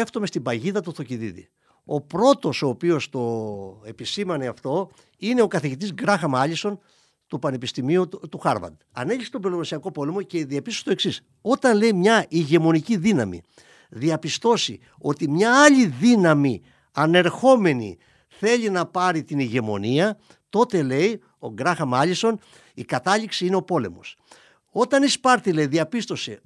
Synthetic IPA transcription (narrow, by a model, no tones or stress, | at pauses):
eft̪ome̞st̪ibɐʝiðɐt̪uθo̞ciðiðḭ | o̞pɾo̞t̪o̞so̞ːpio̞st̪o̞e̞pisimɐneɐft̪o̞ | ine̞o̞kɐθiʝit̪izɡɾɐxɐmɐʎiso̞n | t̪upɐne̞pist̪imiut̪uxɐɾvɐ̰d̪ɐne̞ʎiset̪obilolosiɐko̞po̞le̞mo̞ce̞ðiɐpist̪ost̪o̞e̞ksis | o̞t̪ɐnle̞jmɲɐʔiʝe̞mo̞niciðinɐmḭ | ðiɐpist̪o̞sḭ | o̞t̪imɲɐɐʎiðinɐmi | ɐne̞ɾxo̞me̞nḭ | θe̞ʎinɐpɐɾit̪iniʝe̞mo̞̰niɐ | t̪o̞t̪e̞le̞i | o̞ɡɾɐxɐmɐʎiso̞n | ikɐt̪ɐʎiksiine̞o̞po̞le̞̰mo̞̰s | o̞t̪ɐnispɐɾt̪ileiðiɐpist̪o̞se̞̰